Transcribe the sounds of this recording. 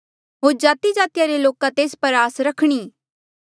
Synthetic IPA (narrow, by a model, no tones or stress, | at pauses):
ɦoːɾd͡ʒaːt̪id͡ʒaːt̪jaɾeloːkãt̪eːspɐɾaːsɾɐkʰɽ̃iː